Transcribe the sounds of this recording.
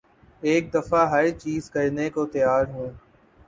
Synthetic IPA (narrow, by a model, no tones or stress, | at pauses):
eːk̚d̪əfaːɦət͡ʃiːzkəɾnekoːt̪əjaːɾɦʊeː